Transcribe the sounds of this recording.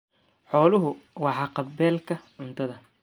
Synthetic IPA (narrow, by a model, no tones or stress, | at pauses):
ħɔːlʊɦʊwɑħɑːqɑbɛːlkʰɐʕʊnt̪ʰɐðɐ